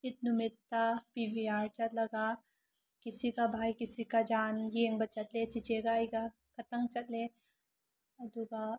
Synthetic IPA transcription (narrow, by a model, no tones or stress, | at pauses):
ɪt̪̚numɪt̪ːapibiaːɾt͡ʃɐɾlɐɡaː | kɪsikabʱaːikɪsikad͡ʒaːnjeːŋbɐt͡ʃət̪let͡ʃit͡ʃeɡaːjɡa | kɐt̪əŋt͡ʃɐt̪le | ɐd̪uɡa